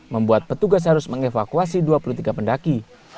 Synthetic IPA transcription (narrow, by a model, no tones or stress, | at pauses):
məmbuat̪̚pət̪uɡas̬ɦaɾʊsməŋefakuas̬iduapulut̪iɡapəndaki